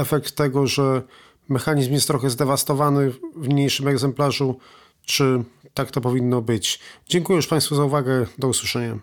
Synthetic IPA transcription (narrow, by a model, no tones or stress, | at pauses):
ɛfɛk̚t̪ːɛɡɔʐɛ | mɛxaɲizmjɛst̪ːɾɔxɛzd̪ɛvast̪ɔvanɘvmɲejʂɘmɛɡzɛmplaʐu | t͡ʂɘt̪akt̪ɔpɔvʲinːɔbɘt͡ɕd͡ʑɛŋkujɛjuʂpãj̃st̪fuzauvaɡɛd̪ɔuswɨʂɛɲa